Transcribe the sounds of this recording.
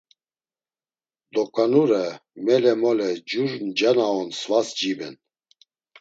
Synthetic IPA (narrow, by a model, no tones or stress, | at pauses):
d̪ɔkʼanuɾɛmɛlɛmɔlɛd͡ʒuɾnd͡ʒanaɔnsvasd͡ʒibɛ̰n